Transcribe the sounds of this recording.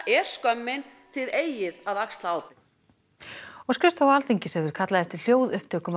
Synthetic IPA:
ɛɾ̥skœmːɪn | θɪðeːjɪðaðakst̪laːwpɪ | ɔɣscʏst̪awaːlt̪iɲcɪsɛvʏɾ̥kʰat̪laðɛft̪ɪɾ̥l̥joːwðʏhpt̪ʰœːkʏm

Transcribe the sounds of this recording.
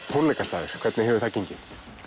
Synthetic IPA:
pʰunlɛjkast̪aːðɪɾ̥kʰvɛt̪nɪɦɛvʏɾ̥θaceɲcɪn

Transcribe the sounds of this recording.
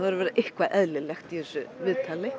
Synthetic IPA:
aðɾʏɾvɛːɾɪʔɪhkvaʔɛðlɪlɛxt̪iθɛsːʏvɪðt̪ʰaːlɪ

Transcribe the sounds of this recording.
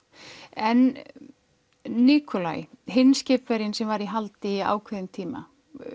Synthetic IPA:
ɛn | iːkʰɔla̰j | ɦɪnːscɪːpvɛɾjɪnsɛmvaɾiɦalt̪ia̰ːwkʰvɛðʏmt̪ʰiːma̰

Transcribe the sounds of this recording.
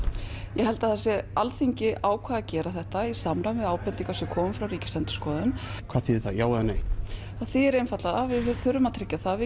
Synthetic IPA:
jɛɦɛlt̪aθasjɛalθiɲcɪʔaːwkʰaːðacɛːɾaθɛht̪aisamɾamɪaːwpɛnt̪iŋkasɛkʰɔːmʏmfɾawɾiːcɪ̥sɛnt̪ʏ̥skɔːðaðʏnkʰv̥aːðθiðɾθajaːwanej | aθiɛɾejnfat̪laðavɪðθʏɾʏmat̪ʰɾɪcːaθavɪ

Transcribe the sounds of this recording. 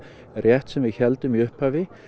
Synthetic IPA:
rjɛht̪sɛmvɪðçɛlt̪ʏmiʏhphaːvɪ

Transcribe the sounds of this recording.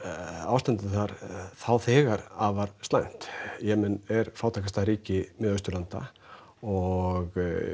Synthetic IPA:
a̰wst̪ant̪ɪθaɾθawθɛːɣaɾavaɾst̪la̰jn̥t̪jɛmɛnɛɾfawt̪ʰakast̪aɾiːcɪmɛðœɥst̪ʏɾlant̪a̰ | ɔɣ

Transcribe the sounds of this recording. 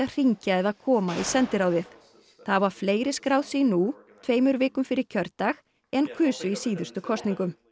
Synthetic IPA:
aðr̥iɲcaɛðaðkʰɔːmaisɛnt̪ɪɾawðɪθ | θavaɾ̥fleːjɾɪ̥skɾaːwðsinut̪ʰveːjmʏɾvɪːkʏmfɪɾɪɾ̥cʰœɾt̪ax | ɛnkʰʏːsʏisiːðʏɾst̪ʏkʰɔst̪niŋkʏm

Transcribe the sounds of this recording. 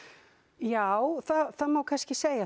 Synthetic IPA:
jawθaðθaðmaːwkʰanscɪseːja

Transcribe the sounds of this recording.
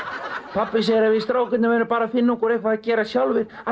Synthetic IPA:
pʰapːɪs̬ɛɣɾavɪist̪ɾaːwkʏt̪nɪmɛnʏpaːɾafɪnːakɔɾehkvaðacɛːɾasjawlvɪð | a

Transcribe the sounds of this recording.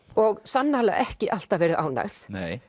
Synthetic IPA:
ɔɣsanːahala̰ʔɛhcɪʔal̥t̪avɛːɾɪðʔa̰ːwna̰ɣθneːj

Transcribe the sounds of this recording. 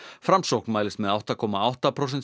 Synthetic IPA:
fɾamsowknmaːɪlɪst̪mɛðawht̪akʰɔmaawht̪apʰɾos̬ɛnt̪

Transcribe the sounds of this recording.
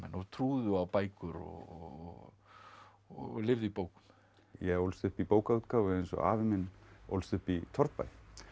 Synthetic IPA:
mɛ̰nɔt̪ʰɾuːðʏawpaːjkʏɾɔ̰ | ɔlɪvðipoːwkʏ̥m | jɛowlst̪ʏhpipoːwkaut̪kaːwvɪɛjnsɔ̰a̰ːvɪmɪnʔo̰wlst̪ʏhpit̪ʰɔɾt̪̚pa̰j

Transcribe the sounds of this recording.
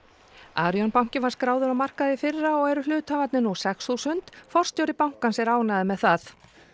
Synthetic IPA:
aːɾjɔnpaw̥̃cɪvaɾ̥skɾaːwðʏɾawmar̥kaðɪfɪrːaɔɣɛɾʏlʏːt̪ʰamat̪nɪnusɛksθusʏnt̪fɔr̥st̪jowɾɪpawŋ̥kansɛɾaːwnaðɪmɛðθaθ

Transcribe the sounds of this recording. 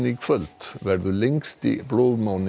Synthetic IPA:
nɪɡfœlt̪ʋæɾd̪ʉːlɛŋst̪ɪ̰bloːʋmaʊn

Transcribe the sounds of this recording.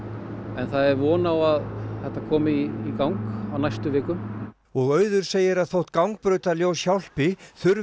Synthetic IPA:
ɛnθaðɛɾvɔːnawaðθɛht̪ːakʰɔːmɪiːkawŋkawnajst̪ʏvɪːkʏm | ɔɣœːɥðʏɾ̥seːjɪɾaðθowht̪kawŋk̚pɾœːɥt̪aljoːwsjawl̥pɪθʏɾ

